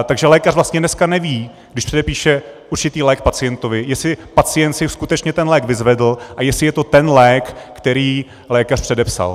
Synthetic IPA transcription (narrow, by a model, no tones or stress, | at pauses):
t̪aɡʒɛlɛːkarvlast̪ɲɛnɛskanɛviː | ɡdɪʃpr̥ɛdɛpiːʃɛʔuɾt͡ʃɪt̪iːlɛːk̚pat͡sɪjɛnt̪ovɪjɛsɪpat͡sɪjɛnt̪sɪskut̪ɛt͡ʃɲɛt̪ɛnlɛːɡvɪzvɛdl̩ʔajɛsɪjɛt̪ot̪ɛnlɛːkːt̪ɛɾiː | lɛːkarpr̝̥ɛdɛpsa̰l